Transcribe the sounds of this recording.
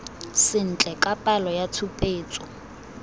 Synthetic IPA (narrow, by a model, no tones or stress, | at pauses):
sɪn̩t͡ɬʼɛkʼapʼalɔjatʰupʼeːt͡sʼɔ